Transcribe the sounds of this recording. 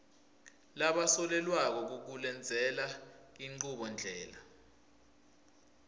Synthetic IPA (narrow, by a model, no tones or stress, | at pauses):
laɓasɔlɛlwak̬ɔk̬uk̬ulɛnd͡zʱɛlaiŋ͡ǃuɓɔnd͡ɮʱɛːla